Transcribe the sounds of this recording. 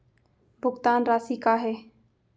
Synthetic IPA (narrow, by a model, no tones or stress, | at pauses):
bʱʊɡt̪aːnɾaːsiːkaːɦɛː